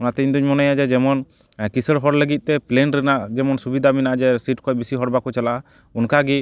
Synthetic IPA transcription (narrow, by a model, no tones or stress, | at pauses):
ɔnat̪ɛiɲd̪uɲmɔnajad͡ʒɛd͡ʒɛmɔn | kisəɽɦɔɾləɡit̪̚t̪ɛplenɾɛnaʔd͡ʒɛmɔnsubid̪ʱaminaʔd͡ʒɛsiʈkɔbisiɦɔɽbakɔt͡ʃala | unkaɡi